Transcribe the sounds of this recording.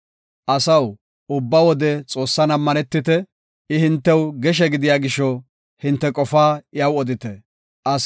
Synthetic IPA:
ʔɐsɐw | ʊbːɐwɔd̪ɛt͡sʼo̞ːsːɐnɐmːɐnɛt̪ːɪt̪ɛ | ɪhɪnt̪ːɛwɡɛʃ̬ɛɡɪd̪ɪjaːɡɪʃːɔ | hɪnt̪ːɛkʼɔfaːɪjɐwɔd̪ɪt̪ɛ | ʔɐ

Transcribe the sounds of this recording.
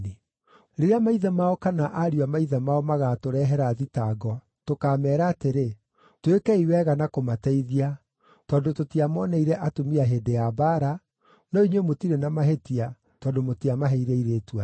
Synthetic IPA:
e | ɾeɾeamaiðɛmaɔkanaʔaɾiwamaiðɛmaɔmaɣatoɾɛɦɛɾaːðitaɡɔa | tokaːmɛːɾaːteɾe | twekɛiwɛɣanakomatɛiðia | tɔːndototiamɔnɛiɾɛʔatomiaɦedeabaːɾa | nɔiɲwemotiɾenamaɦetia | tɔːndomotiamaɦɛiɾeiɾetwa

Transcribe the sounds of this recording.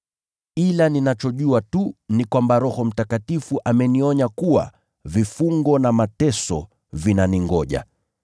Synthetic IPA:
kilaninat͡ʃɔʄuatunikwambaɾɔhɔm̩takatifuʔamɛniɔɲakuwa̰ | vifuŋɡɔnamatɛsɔ̰ | vinaniŋɡɔʄa̰

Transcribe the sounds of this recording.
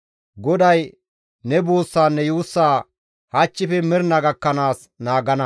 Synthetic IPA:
ɡɔd̪ɐj | nɛboːsːaːnːɛjuːsːaː | hat͡ʃːɪfɛmɪɾnɐɡɐkːɐnaːs | naːɡɐnɐ

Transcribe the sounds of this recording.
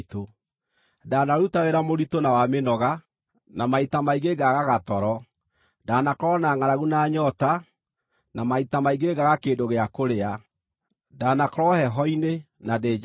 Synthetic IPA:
to | daːnaɾutaweɾamoɾitonawamenɔɣa | namaitamaiɣeɡaɣaɣatɔɾɔ | daːnakɾɔnaːŋaɾaɣunaːɲɔta | namaitamaiɣeɡaɣakeːndoɣeakoɾea | daːnakɔɾɔhɛɦɔine | nade

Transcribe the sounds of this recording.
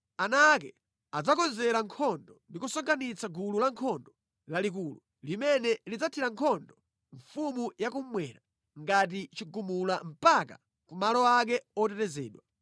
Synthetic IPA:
anakɛ | ad͡zakɔnzɛɾaŋkʰɔndɔndikusɔŋkʰanit͡sʰaɡululaŋkʰɔndɔ | lalik̬ulu | limɛnɛlid͡zatʰiɾaŋkʰɔndɔ | ɱfumujakum̩mwɛːɾa | ŋɡat̬it͡ʃiɡumulam̩paka̰ | kumalɔak̬ɛɔtɛtɛzɛ̰ːɗwa

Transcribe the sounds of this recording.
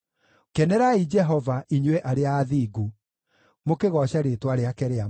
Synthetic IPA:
kɛnɛɾaid͡ʒɛɦɔvaʔiɲwɛʔaɾeaːðiːɡu | mokeɣɔɕaɾetwaɾeakɛɾea

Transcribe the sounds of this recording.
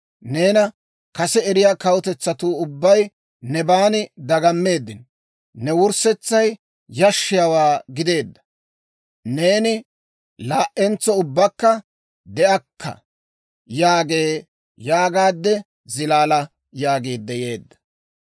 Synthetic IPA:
neːnɐ | kɐsɛɛɾɪjaːkɐwʊt̪ɛt͡sːɐt̪uːʊbːɐj | nɛbaːnɪd̪ɐɡɐmːe̞ːd̪ːɪnː | ɛwʊɾsɛt͡sːɐj | jɐʃːɪjɐwaːɡɪd̪e̞ːd̪ːɐ̥ | ne̞ːnɪ | laːʔɛnt͡sːɔʊbːɐkːɐ | d̪ɛʔɐkʰːɐ̰ | jaːɡe̞ː | jaːɡaːd̪ːɛ | zɪlaːlɐ | jaːɡeːd̪ːɛjeːd̪ːɐ̥

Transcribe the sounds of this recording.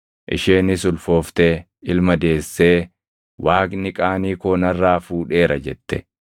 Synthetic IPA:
ʔɪ̰ʃeːnɪsʊlfo̞ːft̪eː | ɪlmɐd̪e̞ːsːeː | wʔaːknɪkʼaːniːkoːnɐrːaːfuːᶑe̞ːɾɐd͡ʒɛt̪ːɛ̰

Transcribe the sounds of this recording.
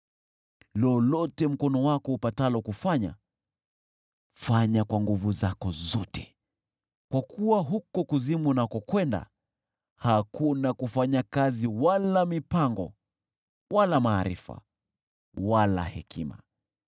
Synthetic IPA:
lɔlɔtɛm̩kɔnɔwakɔupatalɔkufaɲa̰ | faɲakwaŋɡuvuzakɔzɔtɛ̥ | kwakʰuwaɦukɔkuzimunakɔkwɛnda̰ | hakunakufaɲakaziwalamipaŋɡɔ | walamaːɾḭfa̰ | wala̰hɛ̰kʰima̰

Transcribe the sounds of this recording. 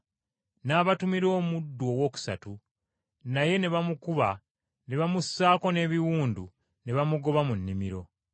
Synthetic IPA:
naːβatumiɾo̞ːmudːwo̞ːwo̞ːku̥sa̰tu | naje̞ne̞βamukuβa | ne̞βamusːaːko̞ne̞ːβiwuːndu | ne̞βamuɡo̞βamunːimiɾo̞

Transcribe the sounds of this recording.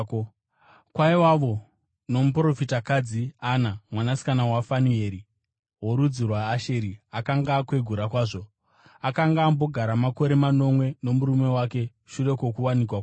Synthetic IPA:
kwaiwaʋo̞ | no̞mupro̞fitakad͡zianamwanasi̥kanawafanue̞ːɾi | woɾud͡zirwaːʃe̞ɾiakaŋɡakwe̞ɡʱuɾakwaːʐo̞ | akaŋɡaːmbo̞ɡʱaɾamako̞ɾe̞mano̞mwe̞no̞muɾume̞wake̞ | ʃure̞ko̞kuwanikwak

